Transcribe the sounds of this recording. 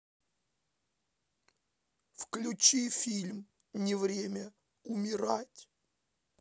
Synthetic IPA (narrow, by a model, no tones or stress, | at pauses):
fklʲʊt͡ɕifʲilʲm | nʲɪvɾʲemʲə | ʊmʲɪɾatʲ